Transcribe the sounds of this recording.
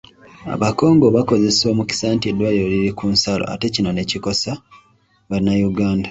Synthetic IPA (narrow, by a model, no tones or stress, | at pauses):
a̰βako̞ːŋɡo̞βako̞ze̞so̞ːmuci̥saːntiedwajo̞liɾikuːnsalo̰a̰te̞cino̞ne̞ciko̞sa | βaɾinajuɡaːnda